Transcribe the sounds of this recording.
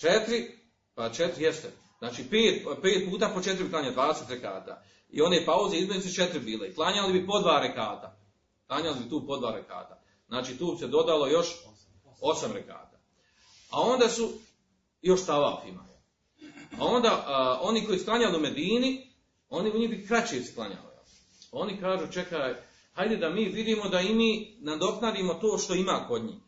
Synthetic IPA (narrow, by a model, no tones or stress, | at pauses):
t͡ʃet̪ɾi | pat͡ʃet̪ɾijest̪e | znaːt͡ʃiːpeːt̪pe̞ːt̪̚puːt̪apo̞t͡ʃe̞t̪ɾibiplaːɲald̪ʋaːd̪eset̪ɾeka̰ːt̪a̰ | ḭo̞neːpauzeizmeniset͡ʃet̪ɾibiːleiplˠaːɲalibipo̞d̪ʋaːɾekaːt̪a | plˠaːɲalibit̪uːpo̞d̪ʋaːɾeka̰ːt̪a | znaːt͡ʃiːt̪uːbised̪o̞d̪alo̞jo̞ʃ | o̞samɾeka̰ːt̪a | ao̞nd̪aːsu | jo̞ʃt̪aʋa̰fima̰jḛl | ao̞nd̪aːʔo̞niko̞jisklˠaɲaliume̞d̪iːni | o̞niuɲiɦbikɾat͡ɕijesklˠaɲa̰lḭjḛl | o̞ːnikaːʒuːt͡ʃekaːj | hajd̪ed̪amiːʋid̪iːmo̞d̪aimiːnad̪o̞knad̪iːmo̞t̪oːʃt̪o̞imaːko̞d̪ɲḭː